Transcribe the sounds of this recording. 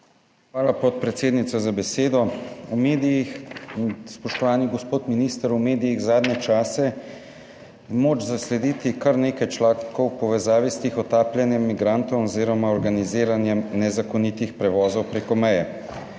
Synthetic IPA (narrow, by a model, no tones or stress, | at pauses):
xʋaːlapɔt̪̚pɾɛt̪seːd̪nit̪sɔzabɛseːd̪ɔumeːd̪ijix | spɔʃt̪ɔʋaːniɡɔspoːt̪minist̪əɾumeːd̪ijiɣzaːd̪nɛt͡ʃaːsɛ | moːt͡ʃzaslɛd̪iːt̪ikɐɾneːkajt͡ʃlaːŋkɔwpɔʋɛzaːʋist̪exɔt̪aːpljɛnjɛmːiɡɾaːnt̪ɔwɔziːɾɔmaɔɾɡaniziːɾanjɛmnɛzakɔnit̪ixpɾɛʋɔːzɔwpɾeːkɔmɛjɛ